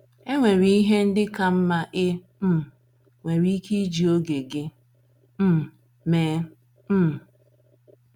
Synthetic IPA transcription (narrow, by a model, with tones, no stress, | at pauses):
e˦ŋʷe˨ɾi˨i˦ɦe˦n̩˦dɪ˦ka˦m̩˦ma˦ʔɪ˦ | m̩˦ | ŋʷe˨ɾi˦i˦ki˦d͡ʒi˨o˦ɡe˨ɡɪ˦ | m̩˦ | meː˨˦ | m̩˦˨